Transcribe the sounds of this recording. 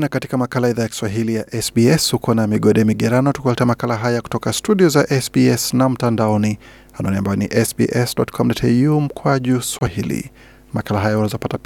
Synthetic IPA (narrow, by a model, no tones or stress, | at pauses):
nakati̥kamakalaiðajaki̥swaɦilijaʔɛsbiɛshukɔnamiɠɔɗɛmiɠɛɾanɔtukwalɛtamakalaɦajaku̥tɔkastuɗiɔzaʔɛsbiɛsnam̩tandaɔni | hanɔniambajɔniʔɛsbḭʔɛsdɔtkʰɔmdɔtʰɛjum̩kʰwaʄuswahilḭ | makalaɦajawanazɔpatap